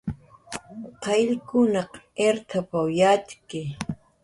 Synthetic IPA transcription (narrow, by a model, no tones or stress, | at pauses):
qɑjʎkʊnɑq | eɾt̪ʰapawjat͡ʃkɪ